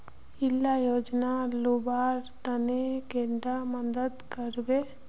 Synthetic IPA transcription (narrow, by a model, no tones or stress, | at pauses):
ilːajoːd͡ʒnalubaːɾt̪ənekeɳɖaməd̪əd̪kəɾbe